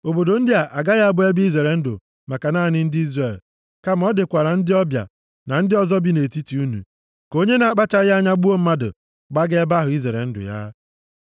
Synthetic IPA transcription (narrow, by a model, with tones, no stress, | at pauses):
o˨bo˨do˨n̩˦dɪ˦a˨ʔa˨ɡa˦ɣa˦a˦bʊ˦e˦bi˦i˦ze˨ɾe˨n̩˦dʊ̰˨ | ma˨ka˨naː˦˨nɪ˦n̩˦dɪ˦i˦zre˨l | ka˦m̩˦ɔ˦dɪ˨kʷa˨ɾa˨n̩˦dɪ˦ɔ˦bja̰˨ | na˨n̩˦dɪ˦ɔ˦zɔ˦bi˦ne˨ti˦ti˨˦u˦nṵ˨ | ko˦ɲe˦na˨k͡pa˦t͡ʃa˦ɣa˦ɲa˦ɡ͡bu˦o˦m̩˦ma˦dʊ̰˨ | ɡ͡ba˦ɡe˦ba˦ɦʊ˨i˦zɾe˨ɾḛ˨n̩˦dʊ̰˨ja̰˦